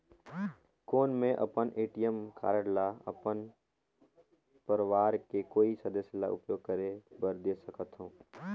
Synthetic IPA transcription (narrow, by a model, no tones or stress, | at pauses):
koːnmẽʔɐ̰pənʔeːʈijəmkʰa̰ːɾəɽlaɐ̰pən | pəɾəʋaːɾkekoːisəd̪əsjla̰ʔʊ̰pjoːɡ̚kəɾebəɾd̪eːsəkət̪ɦõː